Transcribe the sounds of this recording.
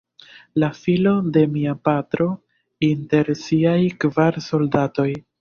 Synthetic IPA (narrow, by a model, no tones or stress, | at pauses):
lafilo̞de̞miapatɾo̞ | inte̞ɾsiajkvaɾso̞ldato̞j